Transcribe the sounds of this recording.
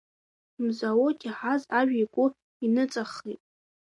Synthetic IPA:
mzawotʼiħazaʒᶣikʷʼʊ | inɨt͡sʼaχitʼ

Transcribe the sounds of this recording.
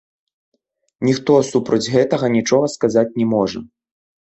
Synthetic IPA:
nʲixt̪ɔsupɾɐd͡zʲɣɛt̪ɐɣɐnʲit͡ʂɔɣɐskazat͡sʲnʲɛmɔʐɐ̰

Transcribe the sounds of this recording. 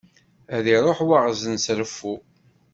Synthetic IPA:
æðiɾˤoħwaʁzənsɾəfːu

